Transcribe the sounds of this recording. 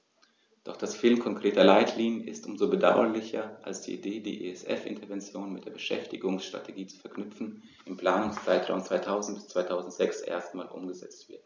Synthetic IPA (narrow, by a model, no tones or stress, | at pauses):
d̥ɔχd̥asfɪlmkʰɔŋkʁ̥eːtɐlaɪtʰliːnjənɪ̰stʔʊmzobəda̰ʊɐ̰lɪçɐʔa̰lsd̥ḭːʔḭdeːdḭːʔḛɛsʔɛ̰fʔɪ̰ntɐvɛnt͡sjoːnmɪtd̥eːɐbəʃɛ̰ftɪɡʊŋsʃtʁ̥a̰tʰeɡiːt͡su̥fɛɐknʏpfn̩ | ʔɪmpl̥aːnʊŋst͡saɪtʁ̥a̰ʊmt͡sv̥aɪtʰaʊzn̩t̚b̥ɪst͡sv̥aɪtʰaʊzn̩tz̥ɛksʔḛːɐstmaːlʔʊ̰mɡəzɛ̰t͡stv̥ɪɐt